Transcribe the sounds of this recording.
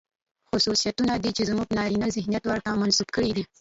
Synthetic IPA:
xʊsusijat̪unad̪it͡ʃezmupənɑɾinazɪhnijat̪waɾt̪amansubkəɽid̪i

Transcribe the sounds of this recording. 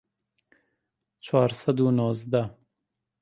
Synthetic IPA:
t͡ʃwɑːɾsad̪unozd̪a

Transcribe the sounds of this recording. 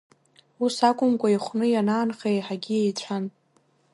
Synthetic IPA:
usakʷʼʊmkʷʼaiχʷnɨjanaːnχejħaɡʲiejt͡sʷʰan

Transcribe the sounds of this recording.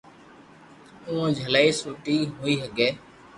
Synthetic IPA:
ũːõːd͡ʒʱəlaːiːsuːʈiːɦuːiːsəɡeː

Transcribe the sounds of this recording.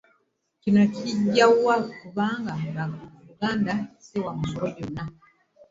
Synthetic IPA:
cinociɟːawakuβaːŋɡaaɾuɡaːndaisewamumoɾoɟona

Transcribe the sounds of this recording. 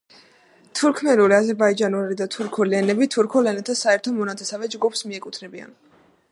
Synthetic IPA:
t̪ʰuɾkʰmɛluliazɛɾbaid͡ʒanulid̪at̪ʰuɾkʰulilɛnɛbit̪ʰuɾkʰɔlɛnɛt̪ʰasaɛɾt̪ʰɔmɔnat̪sʰʼɛsavɛd͡ʒɡupsmiɛkʼut̪ʰnɛbia̰n

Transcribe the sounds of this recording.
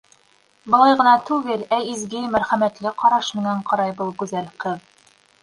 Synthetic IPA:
bŏlˠɑjʁɤ̆nɑt̪ʉɡɘlæizɡɘmæɾχæmæt̪lɘqɒɾɑʃmɘ̆ŋæɴqɑɾɑjbɤlˠɡʉzælqɤð

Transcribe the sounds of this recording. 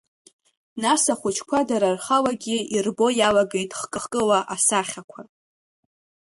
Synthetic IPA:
nasaχʷʊt͡ʃʰkʷʰadaɾarχawaɡʲiirbo̞jalaɡe̞jtʼχkʼɨχkʼɨlaʔasaχʲakʷʰa

